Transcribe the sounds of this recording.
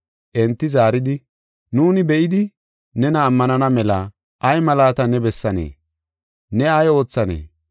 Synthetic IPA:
ʔɛnt̪ːɪzaːɾɪd̪ɪ | nuːnɪbɛʔɪd̪ɪ | nɛnɐːmːɐnɐnɐmɛlɐ | ʔɐjmɐlaːt̪ɐnɛbɛsːɐnḛː | nɛɐjo̞ːt͡sːɐnḛː

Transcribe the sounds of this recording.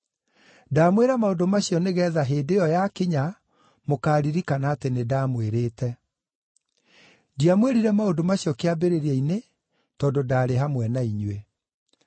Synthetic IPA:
daːmweɾamaodomaɕijɔneɣɛːðaɦeːdejɔjakiɲa | mokaːɾiɾikanaːtenedaːmweɾeːtɛ | diamweɾiɾɛmaodomaɕjɔkeabeɾeɾiaine | tɔːdodaːɾeɦamwɛnaiɲwe

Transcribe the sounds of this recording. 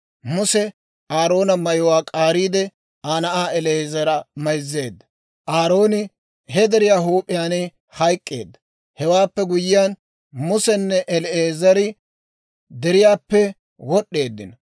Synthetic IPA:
mʊsɛ | aːɾo̞ːnɐmɐjɔwaːkʼaːɾiːd̪ɛ | aːnɐʔaːɛleːzɐɾɐmɐjzːe̞ːd̪ːɐ̥ | ʔaːɾo̞ːnɪ | hɛd̪ɛɾɪjaːɦuːpʼːɪjaːnɪ | hɐjkʼːe̞̰ːd̪ːɐ | hɛwaːpːɛɡʊjɪjan | mʊsɛnːɛʔɛleːzɐɾɪ | d̪ɛɾɪjaːpːɛ | wɔɗːe̞ːd̪ːɪ̰n

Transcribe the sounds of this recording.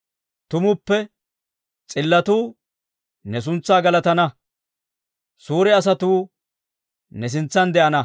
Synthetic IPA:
t̪ʊmʊpːɛ | t͡sʼɪlːɐt̪uː | nɛs̬ʊnt͡sːaːɡɐlɐt̪ɐnɐ | suːɾɛɐs̬ɐt̪uː | nɛs̬ɪnt͡sːɐnd̪ɛʔɐnɐ

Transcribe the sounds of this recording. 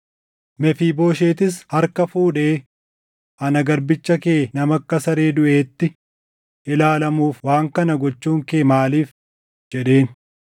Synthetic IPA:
mɛfiːbo̞ːʃe̞ːt̪ɪs̬hɐɾkɐfuːᶑe̞ː | ʔɐnɐɡɐɾbɪt͡ʃːɐkeːnɐmɐkːɐsɐɾeːd̪ʊʔe̞ːt̪ːɪ | ʔɪlaːlɐmuːfwaːŋkɐnɐɡɔt͡ʃːuːŋkeːmaːliːf | d͡ʒɛᶑe̞ːn

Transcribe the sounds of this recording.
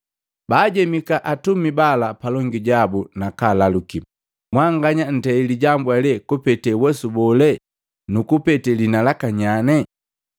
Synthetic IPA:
baːɟɛmikaʔatumibalapalɔŋɡiɟabunakalaluki | mwaŋɡaɲan̩tɛiliɟambwalɛkupɛtɛwɛsubɔlɛ | nukupɛtɛlinalakaɲanɛ

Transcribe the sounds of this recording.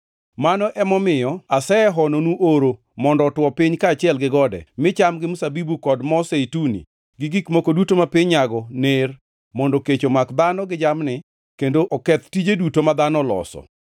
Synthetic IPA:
manɔʔɛmɔmɪjɔasɛɛɦɔnonuʔoɾo | mɔndɔːtwɔpɪɲkaːt͡ʃɪɛlɡɪɡɔdɛ̰mɪt͡ʃamɡɪmusabibukɔdmɔseitunḭ | ɡɪɡikmokodutomapɪɲaɡɔner | mɔndɔket͡ʃomakd̪anɔɡɪd͡ʒamnɪ | kendoʔɔkɛt̪tid͡ʒedutomad̪anɔlɔ̰sɔ̰

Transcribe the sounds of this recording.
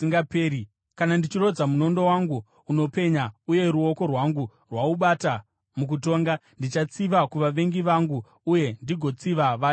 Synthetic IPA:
iŋɡapei | kanandit͡ʃiro̞d͡zamuno̞ndo̞waŋɡuː | no̞pe̞ɲauje̞ɾuo̞ko̞rwaŋɡu | rwauɓata | muk̬uto̞ːŋɡandit͡ʃat͡siʋakuʋaʋe̞ŋɡiʋaŋɡu | uje̞ndiɡʱo̞t͡siʋaʋaː

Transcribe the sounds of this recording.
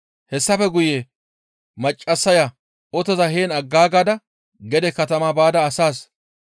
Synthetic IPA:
hɛsːɐfɛɡʊje | mɐt͡ʃʼːɐsːɐja | ɔt̪ɔzɐɦeːnɐɡːaːɡaːd̪ɐ | ɡɛd̪ɛkɐt̪ɐmaːbaːd̪ɐːsaːs

